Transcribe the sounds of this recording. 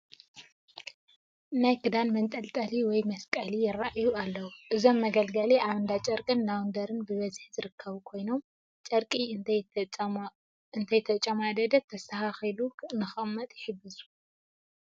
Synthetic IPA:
najkʰɨd̪anmɐnt̪ʼɐlt̪ʼɐliwɔjmɐskʼɐlijɪrːaʔjualːɐwuʔɨzo̞mːɐɡɐlɡɐliʔaβɐnd̪at͡ʃʼɐɾkʼɨnːawnd̪ɐɾɨnbɨβɐzħzɨɾɨkʰːɐβukʰo̞jno̞m | t͡ʃʼɐɾkʼi | ɨnt̪ʰɐjt̪ʰɐt͡ʃʼɐmad̪ɐd̪ɐt̪ʰːɐst̪ʰɐhaxilunɨxɐmːɐt̪ʼjɪħɨbɨzu̥

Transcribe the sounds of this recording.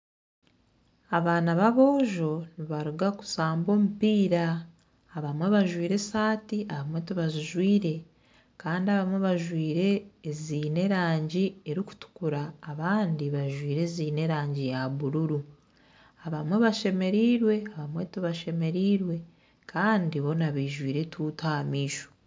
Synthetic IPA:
aβaːnaβaβo̞ːʒo̞niβaɾuɡaku̥saːmbo̞ːmupiːɾaː | βamwe̞βaʒwiːɾe̞saːtiʔaβamwe̞tiβaziʒwiːɾe̞ | kaːndiaβamwe̞βaʒwiːɾe̞ːziːne̞ɾaːɲɟieɾiku̥tu̥kuɾaːβaːndiβaʒwiːɾe̞ziːne̞ɾaːɲɟijaβuɾuɾu | aβamwe̞βaʃe̞me̞ɾiːɾwe̞aβamwe̞tuβaʃe̞me̞ɾiːɾwe̞ | kʰaːndiβo̞naβiʒwiːɾe̞tʰutamiːʃo̥

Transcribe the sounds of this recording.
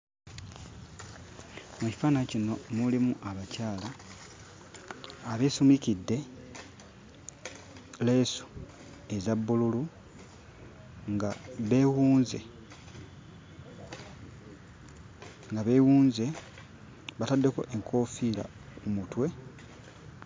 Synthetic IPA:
muci̥faːnacino̞mulimuʔaβacaːla | βe̞ːsumicidːe̞ | le̞ːsu̥ | ezabːululu | ŋɡaβe̞ːwuːnzḛ | ŋɡaβe̞wuːnze̞ | βatadːe̞ko̞̰ʔeŋkʰo̞ːfiːla̰ | kumutwe̞

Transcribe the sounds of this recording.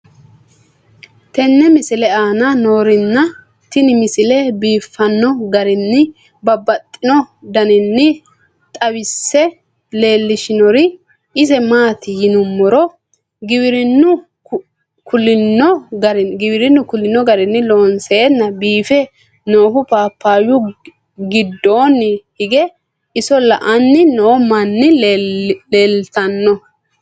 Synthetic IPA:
t̪ɛnːɛmɪsɪlɛaːnɐno̞ːɾɪnːɐ | t̪ɪnɪmɪsɪlɛbiːfːɐnːɔɡɐɾɪnːɪ | bɐbːɐt̪ʼːɪnɔd̪ɐnɪnːɪ | t̪ʼɐwɪsːɛ | le̞ːlːɪʃɪnɔɾɪ | ɪsɛmaːt̪ɪjɪnʊmːɔɾɔ | ɡɪwɪɾɪnːʊ | kʰʊlːɪnːɔɡɐɾɪnɡɪwɪɾɪnːʊkʊlːɪnːɔɡɐɾɪnːɪlo̞ːnseːnːɐbiːfɛ | noːɦʊpaːpʰːaːjʊ | ɡɪd̪ːo̞ːnːhɪɡɛ | ɪsɔlɐʔɐnːɪnɔmɐnːɪ | leːlt̪ɐnːɔ

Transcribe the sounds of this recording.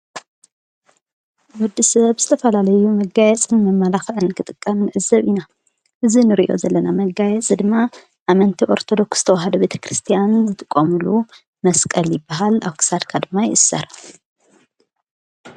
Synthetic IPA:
wud̪ːisɐbz̥ɨt̪ʰɐfɐlalɐjumɐɡajɛt͡sʼɨnmɐmːalaxɨnkʰɨt̪ʼɨkʼːɐmnɨʕɨzɐβina | ʔɨzinɨɾiʔo̞̰zɐlːɐnamɐɡajɛt͡sʼd̪ɨmːa | ʔamɐnt̪ʰiʔo̞̰ɾt̪ʰo̞d̪o̞ksz̥ɨ̥t̪ʰɐwaɦɐd̪ɐbe̞t̪ʰɐ̥kɾɨst̪ʰijanzɨt̪ʼɨkʼːɐmɨlu | mɐskʼɐljɪbaɦala̰βkʰɨ̥sad̪kʰad̪ɨmːajɪʔɨsːɐ̰ɾ

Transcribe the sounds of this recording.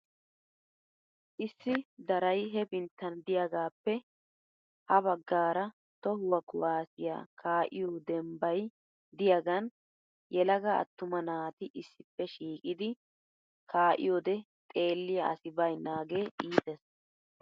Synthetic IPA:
ʔɪsːɪd̪ɐɾɐjɦɛbɪnt̪ːɐnd̪ɪjɐɡaːpːɛ | hɐbɐɡːaːɾɐ | t̪ɔhʊwɐkʊwaːsɪja̰ːkʰaːʔɪjod̪ɛmbɐj | d̪ɪjɐɡɐn | jɛlɐɡɐɐ̰t̪ːʊmɐnaːt̪ɪʔɪsːɪpːɛʃiːkʼɪd̪ɪ | kʰaːʔɪ̰joːd̪ɛ | t̪ʼe̞ːlːɪjaɐsɪbɐjnaːɡe̞ːʔiːt̪ɛs

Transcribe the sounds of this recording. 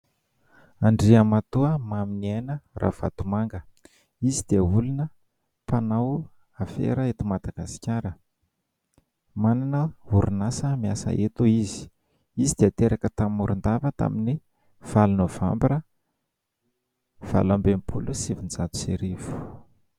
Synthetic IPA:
aɳɖ͡ʐiəmat̪uəmaminienəra̰v̥a̰t̪umaŋɡə | izid̪̥iəulunə | panaw | afḛɾəet̪umad̪aɡ̥asi̥kʲaɾə | mananəuɾunasəmiasə̰ʔet̪uizi̥ | izid̪̥eat̪eɾakət̪amuɾund̪avət̪a̰mini | v̥alunəva̰mbiɾə | v̥a̰lambempʰṵlusivind͡zat̪u̥sḛɾivu̥

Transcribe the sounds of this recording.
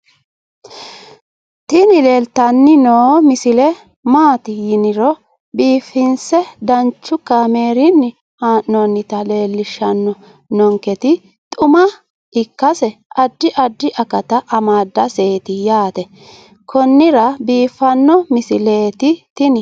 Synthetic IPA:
t̪ɪnɪle̞ːlt̪ɐnːɪnoːmɪsɪlɛ | maːt̪ɪjɪnɪɾɔ | biːfːɪnsɛd̪ɐnt͡ʃːʊkːɐme̞ːɾɪnːɪ | haːʔnɔnːɪt̪ɐle̞ːlːɪʃːɐnːɔ | nɔŋkɛt̪ɪ | t̪ʼʊmɐ | ɪkːɐsɛʔɐd̪ːɪʔɐd̪ːɪʔɐkɐt̪ɐʔɐmaːd̪ːɐse̞ːt̪ɪjaːt̪ɛ | kʰɔnːɪɾɐbiːfːɐnːɔmɪsɪleːt̪ɪt̪ɪnɪ

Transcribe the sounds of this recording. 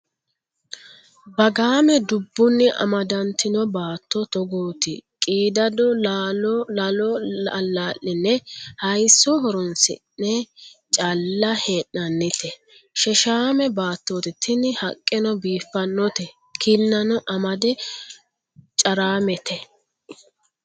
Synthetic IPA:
bɐɡaːmɛd̪ʊbːʊnːɪʔɐ̰mɐd̪ɐnt̪ɪnɔbaːt̪ːɔt̪ɔɡoːt̪ɪ̰kʼiːd̪ɐd̪ɔ | ɔlaːʔːɪnːɛhɐjsːɔɦɔɾɔnsɪ̰nːɛt͡ʃʼɐlːɐheːʔːɐnːɪt̪ɛ | ʃɛʃaːmɛbaːt̪ːoːt̪ɪt̪ʰːɪnɪhɐkʼːɪnɔbiːfːɐnːɔt̪ɛ | kʰɪnːɐnɔʔɐmɐd̪ɛ | t͡ʃʼɐɾaːmɛt̪ʰɛ

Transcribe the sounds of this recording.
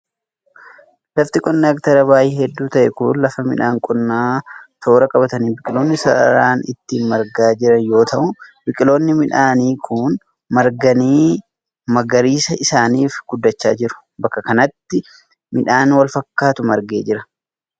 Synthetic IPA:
lɐft̪ɪkʼɔnːɛɐkt̪ɐɾɐbaːjiːhɛd̪ːuːt̪ɐʔɛkʊnlɐfɐmɪ̰ᶑaːŋkʼɔnːaːt̪o̞ːɾɐkʼɐbɐt̪ɐniːbɪkʼɪlo̞ːnːɪsɐɐ̰ɾaːnɪt̪ːiːnmɐɾɡaːd͡ʒɪɾɐnjo̞ːt̪ʰɐʔʊbɪkʼɪlo̞ːnːɪmɪᶑaːniːkʰʊn | mɐɾɡɐniː | mɐɡɐɾiːsɐɪsaːniːfɡ̥ʊd̪ːɐt͡ʃːaːd͡ʒɪɾʊ̥ | bɐkːɐkɐnɐt̪ːɪ | mɪᶑaːnwɐlfɐkːaːt̪ʊmɐɾɡḛːd͡ʒɪɾɐ

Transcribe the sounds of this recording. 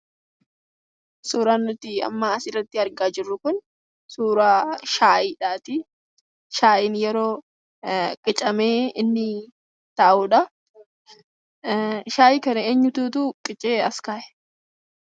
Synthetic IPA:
suːɾaːnːʊt̪ːɪɐ̰mːaːɐsɪrːɐt̪ːɪɐɾɡaːd͡ʒɪrːʊkʊn | suːɾaːʃaːʔiːᶑaːt̪ɪ | ʃaːʔɪnjɛɾo̞ː | kʼɪt͡ʃʼɐmeːɪnːɪ | t̪ɐʔʔuːᶑɐ | ʃaːjiːkɐnɐeːɲːʊt̪uːt̪ukʼɪt͡ʃʼeːɐskaːʔɛ̥

